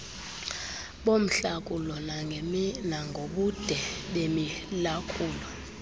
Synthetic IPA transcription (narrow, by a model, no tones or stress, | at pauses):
ɓom̩ɬakʼulɔnanaŋɡʱoɓud̥ʱɛɓemilakʼuːlɔ